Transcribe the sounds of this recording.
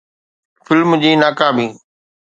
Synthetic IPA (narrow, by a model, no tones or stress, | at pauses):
fɪlmd͡ʑiːnaːkaːbĩː